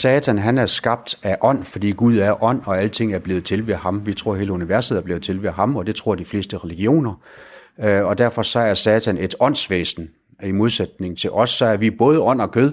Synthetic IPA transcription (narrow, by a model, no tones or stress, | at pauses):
sɛːt͡sʰænɦænæɐsɡ̥ɑ̈b̥̚d̥æʔɒ̽n̰fɒ̽d̥ḭːɡ̥uð̞ˠæɐʔɒ̽n̰ɒ̽ælət͡sʰe̝ŋ̰æɐb̥le̝ːð̩ˠt͡sʰe̝lʋehɑ̈mʋit͡sʰʁo̝ɐɦe̝ːləuniʋæɐse̝ð̰ˠɐble̝ːð̩ˠt͡sʰe̝lʋeɦɑ̈mɒ̽d̥e̝t͡sʰʁo̝ɐ̰d̥ifle̝̰ːsd̥əʁɛliɡ̥io̝̰ːnɐ | ɒ̽d̥æɐ̰fɒ̽sɒ̽æɐsɛːt͡sʰæne̝d̥ɒ̽n̰sʋḛːsn̩ | imo̝ð̞ˠsed̥̚ne̝ŋ̩t͡sʰe̝lʔɒ̽sːɒ̽æɐʋib̥ɔ̽ːð̞ˠəɒ̽n̰ɒ̽kʰøð̞ˠ